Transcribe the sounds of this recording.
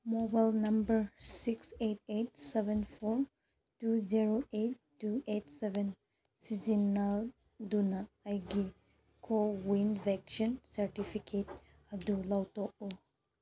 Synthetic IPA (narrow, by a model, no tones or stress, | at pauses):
mɔbajlnɐmbəɾsikset̚et̚sebɛnpʰoɾ | tuziɾoetːuetsebɛn | sizinːa | dunɐːjɡi | kʰowinbʱɛksɔnsɐɾtipʰikʰet | ɐdulawtɔk̚u